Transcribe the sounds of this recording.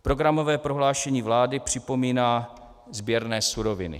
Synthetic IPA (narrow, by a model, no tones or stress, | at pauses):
pɾo̞ɡɾamo̞vɛːpɾoɦlaːʃɛɲiːvlaːdɪpr̥ɪpo̞miːnaː | zbjɛɾnɛːsuɾo̞vɪnɪ̰